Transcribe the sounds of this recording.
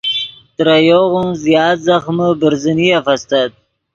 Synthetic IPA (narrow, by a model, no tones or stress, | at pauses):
t̪ɾajoɣunzjɑːt̪zaxməbəɾzəniafast̪ad̪̚